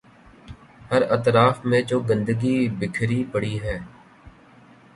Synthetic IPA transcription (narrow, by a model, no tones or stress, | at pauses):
həɾət̪ɾaːfmẽd͡ʒoːɡə̃nd̪əɡiːbɪkʰɾiːpəɽiːɦɛː